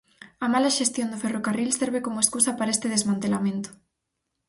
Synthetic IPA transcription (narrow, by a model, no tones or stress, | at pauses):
ɐmalaʃest̪jond̪ʊferokarilseɾβekomʊeskusɐpaɾaest̪eðezmãnt̪elamẽnt̪ʊ̥